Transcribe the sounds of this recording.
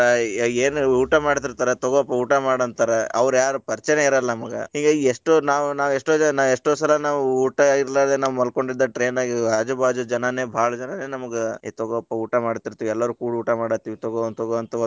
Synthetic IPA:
eːnuːʈɐmaːɽt̪iɾt̪aːɾet̪ɔɡɔpːɐuːʈɐmaːɽɐnt̪ɐːɾeɐ̰ʋɐɾjaːɾupɐɾt͡ʃɐneiɾɐlːɐmɐɡɐ̰hiŋɡeeʂʈonaːʋunaːʋeʂʈoːd͡ʒnaːʋeʂʈoːsɐlɐnaːʋuuːʈɐiɾlaːd̪enaːʋumɐlko̞ɳɖid̪ːɐʈɾe̞ːnaːɡiɾaːd͡ʒɐbʱaːd͡ʒud͡ʒɐnɐne̞ːbʱaːɭɐd͡ʒɐnɐne̞ːnɐmɐɡet̪ɔɡɔpːɐuːʈɐmaːɽt̪iɾt̪ːuɛlːɐɾukuːɽuːʈɐmaːɽɐt̪iʋt̪ɔɡoɐnt̪ɔɡoɐnt̪ɐʋɐ

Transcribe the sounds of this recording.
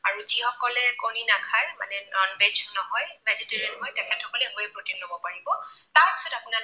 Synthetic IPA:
aɹuzihɔkɔlɛkowninakʰaɹma̰nɛnɔnbed͡ʒnɔɦɔjbɛzitɛɹiɛntɦɔjtɛkʰɛthɔkɔlɛɦojɛpɹoteklobɔpaɹibɔtaɹpi̥sɔtapuna

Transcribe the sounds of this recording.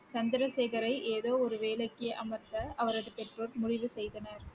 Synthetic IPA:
sɐnd̪ɪɾɐseːɣɐɾɐɪʔeːðoːɔɾɯʋeːlɐkːɪjɐʔɐmɐɾt̪ɐɐʋɐɾɐðɯpɛʈrɯɾmʊɻɪʋɯsɛjðɐnɐɾ

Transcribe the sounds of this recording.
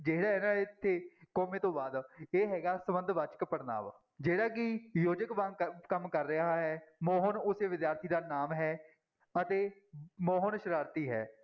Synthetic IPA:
d͡ʒeːɽaːɦɛːnãːɪt̪ʰːeːkɔːmẽːt̪õːbaːd̪eːɦɛːɡaːsəmənd̪ʋaːt͡ʃə̥kpəɾna̰ːʋ | d͡ʒeːɽaːkɪjoːd͡ʒəkʋãŋɡkəmkəɾːɪɦaːɦɛːmɔːɦənʊseːʋɪd̪jaːɾt̪ʰiːd̪aːnaːmɦɛː | ət̪eːmɔːɦənʃəɾaːɾt̪iːɦɛ̰ː

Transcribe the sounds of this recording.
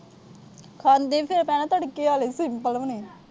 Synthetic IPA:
kʰaːnd̪eːpʰɪɾpɛːnãt̪əɽkiːaːlesɪmpəlʋəniːn

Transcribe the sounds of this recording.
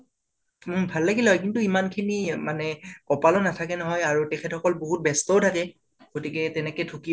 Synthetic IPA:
bʱalːaɡilɛɦɔjkintuimankʰinimanɛkɔpalɔnatʰakɛnɔɦɔjaɹutɛkʰɛtxɔkɔlboɦut̚bɛstɔwtʰakɛ | ɡ̥otikɛtɛnɛkɛtʰuki

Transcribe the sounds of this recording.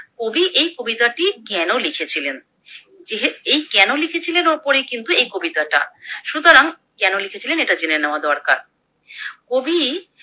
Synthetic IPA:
kobiʔejkobit̪aʈikɛnolikʰet͡ɕʰilen | d͡ʑeɦeejkɛnolikʰet͡ɕʰilenoɾpoɾejkint̪uejkobit̪aʈa̰ʃut̪oɾaŋ | kɛnolikʰet͡ɕʰileneʈad͡ʑeneneoad̪ɔɾka̰ɾ | kobʱi

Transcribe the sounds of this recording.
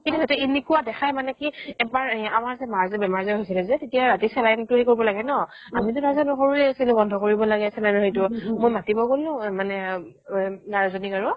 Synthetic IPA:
kitɦɔtɛinikuadɛxʰajmanɛkiɛpaɹamaɹzɛmaɹzɛbɛmaɹzɛɦojsilɛzɛtetijaɹatisɛlajntʊɦɛkoɹibɔlaɡɛnɔ | amitʊnazɔnʊxoɹuɛasilɛɡɔndʱɔkoɹibɔlaɡɛasɛnanɔɦetʊmojmatibɔɡolʊ̃manɛ | naɹazɔnikaɹʊ

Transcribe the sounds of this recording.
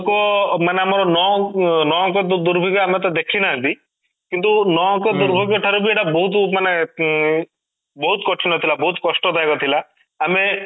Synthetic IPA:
kɔmaneamɔɾɔnɔnɔ̃kɔd̪d̪uɾbʱɔɡjɔamet̪̬ɔd̪ekʰinaɦə̃t̪i | kint̪unɔ̃kɔd̪uɾbʱɔɡjɔʈʰɔɾubʱieʈabɔɦut̪mane | bɔɦut̪kɔʈʰinɔt̪ʰilabɔɦut̪kɔsʈɔd̪ajkɔt̪ʰilaː | me

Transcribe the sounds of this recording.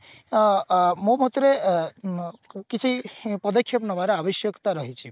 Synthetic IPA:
momɦt̪ɾe | kit͡ʃʰipəd̪əkʰːjʌpnʌʋaɾeabəʃjəkt̪aɾəɦit͡ʃʰi

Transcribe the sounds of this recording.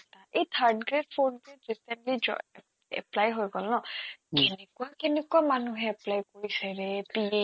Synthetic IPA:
t̪aʔejt̪ʰaɾɖɡɾed̚pʰoɖɡɾeɖɾisenʈlid͡ʒɔ̰ | ɛ̰plajɦojɡɔlnɔkenekuakenekuamanuɦẽɛplajkɔɾisajɾepie

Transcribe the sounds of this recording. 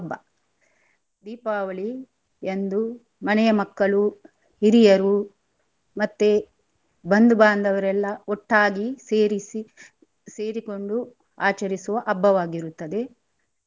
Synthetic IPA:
ɐbːɐ | d̪iːpaːʋɐɭi | end̪u | mɐnɛjɐmɐkːɐɭu | hiɾijɐɾu | mɐt̪ːe | bɐnd̪ubaːnd̪ɐʋɐɾɛlːɐɔʈːaːɡieɾisi | se̞ːɾiko̞ɳɖu | aːt͡ʃɐɾisuʋɐʔɐbːɐʋaːɡiɾut̪ːɐd̪e̞

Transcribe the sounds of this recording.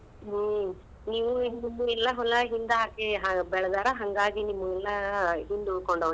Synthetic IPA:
ɦ | niːʋuind̪umːuɛlːɐɦɔlːɐɦind̪ɦaːkeɦabɛɭɐd̪aːɾɐɦɐŋɡaːɡinimːuɛlːɐɦind̪ukɔɳɖɐʋ

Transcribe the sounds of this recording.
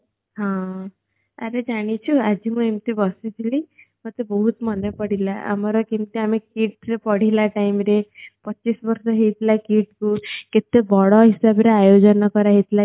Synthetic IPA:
ɦɔ̃ | aɾed͡ʒaɽ̃it͡ʃʰuad͡ʒimuemt̪ibʌsit̪ʰilimɔt̪ebɔɦut̪mʌnepʌɽilaʔa̰mɔɾɔkimt̪iamekiʈɾepʌɽ̤ilaʈaimɾepʌːt͡ʃisbʌɾsʌɦet̪ʰilakiʈ̚kuket̪ebɔɽɔɦisabɾeajod͡ʒʌnɔkʌɾaɦet̪ʰla

